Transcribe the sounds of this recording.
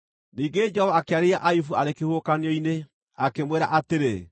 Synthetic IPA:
niːŋɡed͡ʒɛhɔvaːkeaɾeaʔajufuaɾekehokaneɔine | akemweɾa̰ʔateɾe

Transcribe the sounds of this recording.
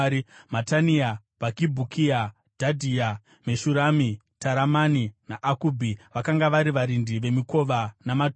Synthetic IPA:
matania | ʋakibʱukʰia | d̥ʱadʱia | meʃuɾami | taɾamaninaʔakuːbʱiʋakaŋɡaʋaɾiʋaɾindiʋe̞miko̞ʋanamat

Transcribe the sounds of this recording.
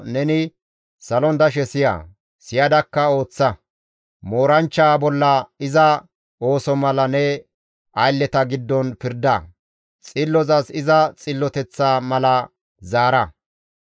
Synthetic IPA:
nɛnɪ | sɐlɔnd̪ɐʃ̬ɛsɪja̰ː | sɪjɐd̪ɐkːɐo̞ːt͡sːɐ | mo̞ːɾɐnt͡ʃːaːbɔlːɐɪzɐ | o̞ːsɔmɐlɐnɛ | ɐjlːɛt̪ɐɡɪd̪ːɔnpɪɾd̪ɐ | t͡sʼɪlːɔzɐsɪzɐt͡sʼɪlːɔt̪ɛt͡sːaːmɐlɐ | zaːɾɐ

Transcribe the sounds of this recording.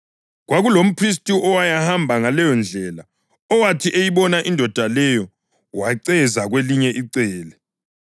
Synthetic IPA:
ɣwaɣulom̩pʰris̬tʼiʔɔwajahambʱaŋalɛjɔnd͡ɮʱɛla | ɔwatʰiʔejiβɔnaʔindʱɔd̥ʱalɛjɔ | waǀɛzaɣweliɲɛʔiǀɛːlɛ

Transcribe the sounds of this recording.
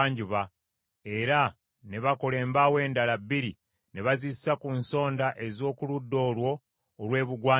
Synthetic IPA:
ɲɟuβa | e̞ɾa | ne̞βakole̞ːmbawe̞ːndalabːiɾi | ne̞βazissakunso̞ːndaʔe̞zo̞ːkuludːo̞ːlwo̞ː | lwe̞ːβuɡwaː

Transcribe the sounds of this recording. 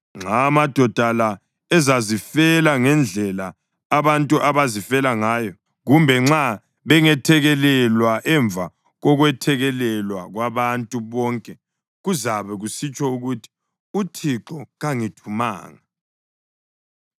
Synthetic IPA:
ŋ͡ǁamad̥ʱɔd̥ʱala | ɛzazifɛlaŋɛnd͡ɮʱɛlaː | βantʼuʔaβazifɛlaŋaːjɔ | ɣumbʱɛŋ͡ǁa | βɛŋɛtʰɛɣɛlɛlwaʔɛɱb̪vʱa | ɣɔɣwɛtʰɛɣɛlɛlwaɣwaβantʼuβɔːŋkʼɛ | ɣuzaβɛɣusit͡ʃʼɔuɣutʰi̥ | utʰiǁɔɣaŋitʰuma̰ːŋa

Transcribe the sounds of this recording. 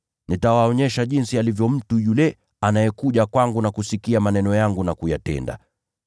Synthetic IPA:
nitawaɔɲɛʃaʄinsialivjɔm̩tujulɛ | anajɛkuʄakwaŋɡunakusikiamanɛnɔjaŋɡunakujatɛ̰nda̰

